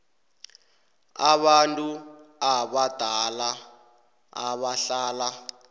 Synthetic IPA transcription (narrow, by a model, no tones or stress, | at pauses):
a̰βantʼuaβad̥ʱala | a̰βaɬaːla